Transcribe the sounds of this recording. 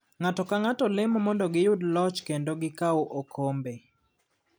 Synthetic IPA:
ŋatɔkaŋatɔlɪmɔmɔndɔɡɪjʊdlɔt͡ʃkendoɡɪkaoʔokʰombe

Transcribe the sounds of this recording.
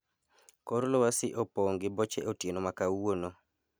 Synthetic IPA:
koɾlɔwasɪʔopoŋɡɪbɔt͡ʃɛ̰ʔotjenomakawono

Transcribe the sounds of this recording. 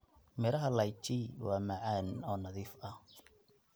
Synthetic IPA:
mɛːɾɐɦɐlɐjt͡ʃiwɑːmɐʕaːnɔːnɐðiːfɐ

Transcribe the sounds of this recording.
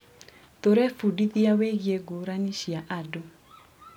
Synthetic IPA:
toɾɛfudiðiaweɣieɡuɾaniʃiaʔadɔ

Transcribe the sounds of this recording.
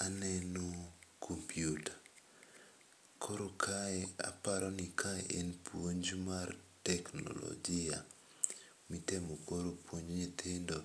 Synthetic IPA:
anɛnokʰompʰjutḁ | kʰoɾokʰaɛa̰paɾɔnikʰaḛʔenpwoɲd͡ʒumartɛkno̰lɔ̰ɡɪa | mitemokoɾopwoɲoɲit̪ʰɪndo

